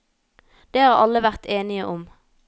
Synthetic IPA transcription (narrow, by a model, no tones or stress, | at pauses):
d̪̥eːhɑːʁɑ̰lːəʋæʁt̪ʰeːnɪəʔʊm